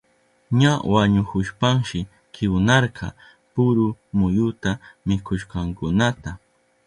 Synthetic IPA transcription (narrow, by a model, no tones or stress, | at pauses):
ɲawaɲʊkʊʃpaŋʃɪ | kɪwnɑɾqʰɑ̰ | pʊɾʊmʊjʊt̪amɪkʰʊʃqɑŋkʊnat̪a